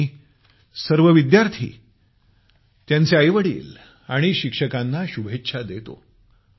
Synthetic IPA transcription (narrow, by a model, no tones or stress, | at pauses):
səɾʋəʋid̪jaɾt̪ʰḭː | t̪jant͡seəjʋəɽḭːl | aɽ̃iɕikʂəkanːaɕubʱetːɕʰad̪et̪o̰